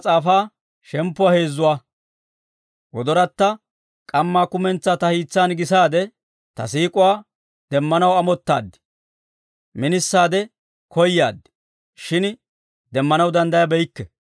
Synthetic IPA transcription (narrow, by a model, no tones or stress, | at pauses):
t͡sʼaːfaː | ʃɛmpːʊaːheːzːʊwaː | wɔd̪ɔɾɐt̪ːɐ | kʼɐmːaːkʊmɛnt͡sːaːt̪ɐhiːt͡sːaːnɡɪsaːd̪ɛ | t̪ɐsiːkʼʊwaː | d̪ɛmːɐnɐwɐmɔt̪ːa̰ːd̪ːɪ̥ | mɪnɪsːaːd̪ɛ | kɔjːaːd̪ːɪ̥ | ʃɪn | d̪ɛmːɐnɐwd̪ɐnd̪ɐjɐbɛjɪkːɛ